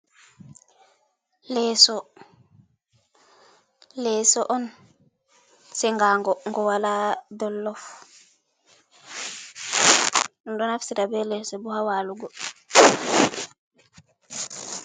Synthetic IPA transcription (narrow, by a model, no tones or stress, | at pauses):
lɛsɔ | lɛːsɔʔɔn | sɛŋɡaːŋɡɔŋɡɔwaladɔlːɔf | ɗɔnɗɔnafsiɾabɛlɛsɛbuhawaluɡɔ